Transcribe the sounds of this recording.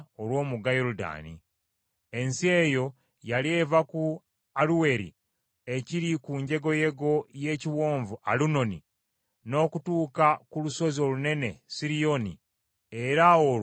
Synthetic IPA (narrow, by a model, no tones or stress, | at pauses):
olwo̞ːmuɡajoɾuda̰ːnḭ | e̞nsie̞jo̞ | jalie̞ːvaku | aluwe̞ɾḭ | e̞ciɾikuɲɟe̞ɡo̞je̞ɡo̞je̞ːciwo̞ːɱvua̰luno̞ni | no̞ːkutuːkakuluso̞zio̞lune̞ne̞siɾijo̞nḭ | e̞ɾao